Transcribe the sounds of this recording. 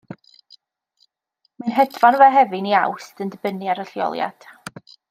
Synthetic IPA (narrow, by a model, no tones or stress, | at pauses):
manɦɛdvanvɛɦɛvɨnia̰wstəndəbəniaɾəɬjɔ̰lˠja̰d̥